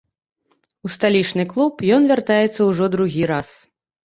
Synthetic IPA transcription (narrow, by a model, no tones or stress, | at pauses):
ust̪alʲit͡ʂnɨklˠupjɔnvʲart̪ajɛt̪sːɐwʐɔd̪ɾuɣʲiɾas